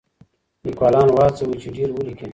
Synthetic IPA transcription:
likwaːlaːnwaːt͡sewit͡ɕuɖiːɾwulikʰe

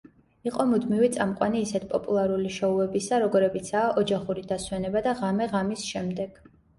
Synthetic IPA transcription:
iqʼɔmud̪mivit̪sʼamqʼwaniːsɛt̪ʰpʼɔpʼulˠaɾuliʃɔuɛbisaɾɔɡɔɾɛbit̪sʰaːʔɔd͡ʒaχuɾid̪aswɛnɛbad̪aʁamɛʁamisʃɛmd̪ɛɡ̥

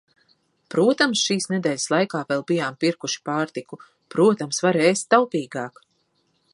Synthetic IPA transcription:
pɾuɔt̪amsʃiːsned̪ɛːlʲslˠajkaːvɛlˠbijaːmpiɾkuʃi̥paːɾt̪iku | pɾuɔt̪amsvaɾeːst̪ːawpiːɡɑːk

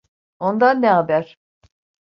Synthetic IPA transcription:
o̞nd̪anːɛɦabæɾ̥

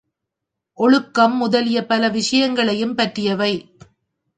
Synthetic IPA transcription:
ʔɔɭɯkːɐmːʊðɐlɪjɐpɐlɐʋɪʂɐjɐŋɡɐɭɐjɯmpɐʈrɪjɐʋɐɪ

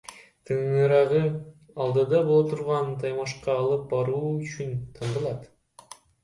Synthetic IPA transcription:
t̪ʰɯɴɯɾɑʁɯ | ɑlˠd̪ɯd̪ɑbolˠot̪ʰuɾʁɑnt̪ʰɑjmɑʃqɑːlˠɯp̚bɑɾuːyt͡ʃynt̪ʰɑɴd̪ɯlˠɑt̪

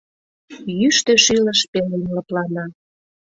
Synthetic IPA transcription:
jyʃt̪ø̆ʃiləʃpelinləplɑnɑ

